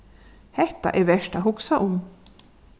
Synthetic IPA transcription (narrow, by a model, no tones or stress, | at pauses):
hɛt̪ːa̰ʔɛɾvɛʂʈaɦʊksaʔʊm